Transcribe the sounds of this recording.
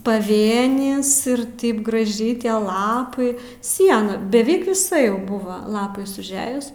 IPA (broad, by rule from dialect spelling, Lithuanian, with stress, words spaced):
pɐˈʋʲeːnʲɪs ɪr ˈtɐɪp ɡrɐˈʒʲɛɪ ˈtʲiɛ ˈlˠɑːpɐɪ ˈsʲiɛnɐ bʲɛˈʋʲɪk ʋʲɪˈsɐ ˈjɛʊ ˈbʊʋɐ lˠɐpɐɪs ʊʒʲˈæːjʊs